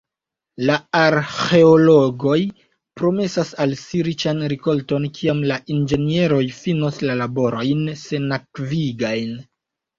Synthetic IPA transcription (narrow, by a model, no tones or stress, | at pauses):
laaɾxe̞olo̞ɡo̞j | pɾo̞me̞sasalsiɾit͡ʃanɾiko̞lto̞nkʰiamlaʔind͡ʒe̞nie̞ɾo̞jfinoslalabo̞ɾo̞jnse̞nakviɡajn